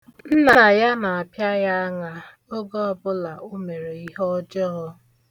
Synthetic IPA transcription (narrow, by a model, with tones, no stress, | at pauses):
n̩˦na˦na˨ja˦na˨a˨pja˦ja˦a˦ŋa˨ | o˦ɡɔ˦ɔ˨bʊ˦la˨ʔʊ˦me˨ɾe˨i˦ɦɔ˦d͡ʒɔ˦